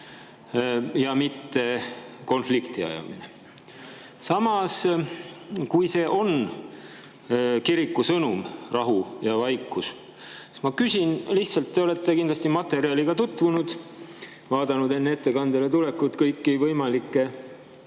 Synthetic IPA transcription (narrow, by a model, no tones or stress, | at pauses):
jɑmit̪ːe̞ko̞nflikt̪iɑ̰jɑ̰mine | sɑmɑs | kujse̞ːʔo̞n | kiɾikːˑusɤnumrɑɦujɑvɑjkːˑus | smɑkysʲinliht̪sɑlt̪ːe̞o̞le̞t̪ːˑe̞kind̪lɑst̪imɑt̪ːˑe̞ɾiɑliɡɑt̪ut̪ːvunud̪̥ | vɑːd̪ɑnud̪e̞nːe̞t̪ːe̞kɑnd̪elet̪ule̞kːut̪kɤjkːivɤjmɑlikˑːe̞